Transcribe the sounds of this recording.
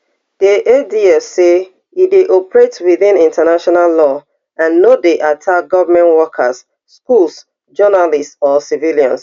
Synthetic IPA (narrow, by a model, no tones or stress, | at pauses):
d̥eʔediɛfse | ideʔɔpɹetwiðĩnĩntənaʃɔnalːɔ | ãnːodeʔatʰakɡɔvmɛ̃nwɔkʰə̰s | skulˠs | d͡ʒɔnalistsɔsiviljã̰ns